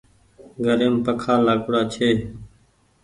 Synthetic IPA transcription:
ɡʱəɾeːmpəkʰaːlaːkʊɽaːt͡ʃʰeː

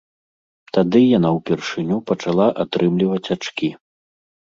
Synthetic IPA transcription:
t̪ad̪ɨjanawpʲɛrʂɨnʲupɐt͡ʂalˠaʔat̪ɾʔɨmlʲivɐt͡sʲat͡ʂkʲi

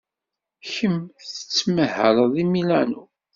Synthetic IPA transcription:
çəmθθə̥t͡sːməhə̰ɾðˤimilænu

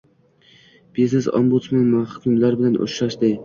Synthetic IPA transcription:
b̥iznɪsɒ̰mbut̪smanmanχʊ̥kʲʰɪmlaɾbɪlanʔo̰ʃɾaʃd̪ɪj

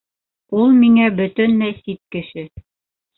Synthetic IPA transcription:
ulˠmiŋæbɵ̆t̪ɵnlæjsit̪̚kɘ̆ʃɘ

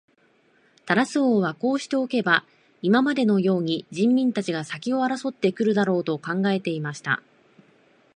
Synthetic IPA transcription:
t̪aɾasɨoːβako̞ːɕi̥t̪e̞o̞ke̞ba | imamad̪e̞no̞jo̞ːɲ̟id͡ʑĩmːʲĩnt̪at͡ɕiɡasakʲio̞aɾaso̞t̪ːe̞kɯ̟ɾɯ̟d̪aɾo̞ːt̪o̞kãŋɡae̞t̪e̞imaɕi̥t̪a̰

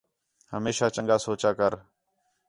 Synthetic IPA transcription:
həmeːʃaːt͡ʃəŋɡaːsoːt͡ʃaːkəɾ

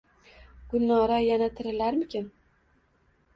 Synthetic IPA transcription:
ɡ̥ʊlnɒɾajanat̪ʰɪɾɪlaɾmɪkʲʰɪn

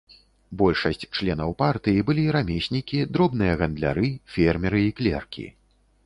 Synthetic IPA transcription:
bɔlʲʂɐsʲt͡sʲt͡ʂlʲɛnɐwpart̪ɨjibɨlʲiɾamʲesʲnʲikʲid̪ɾɔbnɨjɐɣɐnd̪lʲa̰ɾɨfʲɛrmʲɛɾɨiklʲɛ̰rkʲʰḭ

